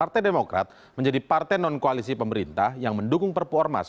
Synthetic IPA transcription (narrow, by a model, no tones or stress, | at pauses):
art̪ɛjdemokɾa̰t̪̚ | məɲd͡ʒadipart̪ɛnɔnkoalisipəməɾint̪ahjaŋməndukʊŋpərpuɔrma̰s